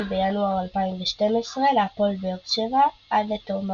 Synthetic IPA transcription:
bejanuaʁalpaimbeʃt̪emesʁelapolbeott͡ʃevaad̪et̪om

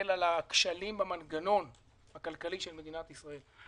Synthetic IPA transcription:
elalakʃalimbamanɡano̞n | bakalkaliʃelme̞d̪inat̪isʁae̞l

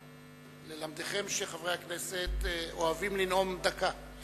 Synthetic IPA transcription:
lelamd̪eχe̞mʃeχavʁeakneset̪oavimlino̞md̪aka

